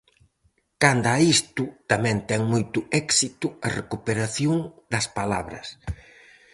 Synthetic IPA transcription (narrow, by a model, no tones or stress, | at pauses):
kand̪aist̪ʊt̪ɐmɛ̃nt̪ɛŋmojt̪ʊɛksit̪ʊɐrekupeɾaθjoŋd̪ɐspala̰βɾɐ̰s